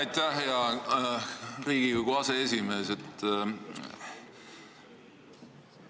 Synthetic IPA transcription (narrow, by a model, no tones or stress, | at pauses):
ɑjt̪æheɑ | ɾiːɡ̥ikuɡoɑseesʲime̞ːse̞t̪ːˑ